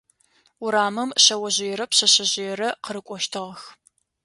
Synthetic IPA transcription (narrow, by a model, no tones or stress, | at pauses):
ʊɾaːmɨmɕɐwɐʑɪjɛɾɐpɕɐɕɐʑɪjɛɾɐqəɾɨkʷʼɔʃtʰɨʁɐx